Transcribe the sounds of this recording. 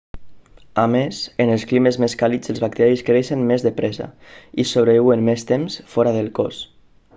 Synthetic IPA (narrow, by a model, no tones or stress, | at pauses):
amesənəlˠsklimezmeskalid͡zəlˠzβak̚t̪ɛɾiskɾeʃənmezðəpɾɛza̰isoβɾəβiwənmest̪emsfɔɾaðəlˠkɔ̰s